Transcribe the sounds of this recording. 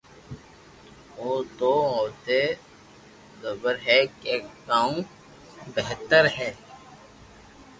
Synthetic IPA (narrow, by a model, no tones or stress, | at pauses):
oːd̪oːɔːt̪e | zəbəɾɦɛkekːaːũ | bɛɦt̪əɾɦɛː